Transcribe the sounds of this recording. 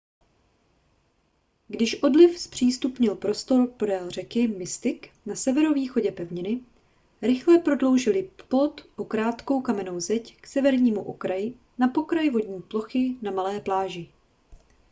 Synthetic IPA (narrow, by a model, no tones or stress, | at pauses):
ɡdɪʃʔo̞dlɪfspr̝̥iːst̪upɲɪlpɾo̞st̪o̞ɾpodɛːlr̝ɛkɪmɪst̪ɪk | nasɛvɛɾo̞viːxo̞ɟɛpɛvɲɪnɪ | ɾɪxlɛpɾo̞dlo̞wʒɪlɪplo̞t̪ʔokɾaːt̪ko̞wkamɛno̞wzɛcksɛvɛɾɲiːmuʔokɾajɪ | napo̞kɾajvo̞dɲiːplo̞xɪnamalɛːplaːʒɪ